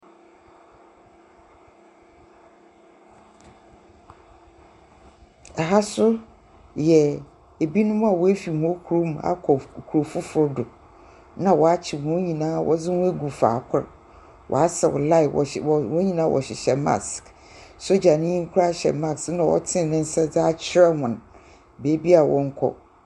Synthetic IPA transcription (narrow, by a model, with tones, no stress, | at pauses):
ɛ˨ɦa˦sʊ˦ | jɛ˨ | e˨bi˦nʊ̃˦m˦a˨wɔ˨˦æ˦fi˨hũ˦kʰu˨ɾo˦m˨a̰˨kʰɔ˨kʰu˨o˨fʊ˦fʊ˦ɾdʊ˨ | nã˨wɔ˨a˦t͡ɕʰɪ˨hɔ̃˨˦ɲĩ˨nãː˦wʔɔ̰˦d͡zɪ˦wʊ̃˦æ˦ɡu˨fa̰ː˨kʰʊ̰˦ɾ | wʔɔ̰˨a˦sɛ˨wʊ̰˨la˦ɪ˨wwɔ̃˦ɲĩ˨nãː˦wʔɔ̰˨ɕɪ˨ɕɛ˨ma̰˦˨sk | so˦d͡ʑa˨nɪ̃˦ĩ˦ŋ̩˦kʷʰʊ˦ɾa˦ɕɛ̰˨ma˦snã˨wɔ̰˦tʰɪ̃˦˨nɪ̃˦n̩˦sɛ˦d͡za˦t͡ɕʰɪ˦ɾɛ˦hʊ̃˨n˨ | beː˨˦bi˦a˨wɔ̃˦ŋ̩˦kʰɔ̰˦